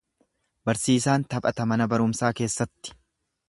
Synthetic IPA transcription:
bɐɾsiːsaːnt̪ɐpʼɐt̪ɐmɐnɐbɐɾʊmsaːke̞ːsːɐt̪ːɪ̥

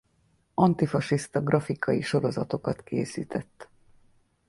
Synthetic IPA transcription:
ɒnt̪ifɒʃist̪ɒɡrʔɒfikʰɒjiʃo̞ɾo̞zɒt̪o̞kɒt̪kʰeːsḭːt̪ʰɛt̪ː

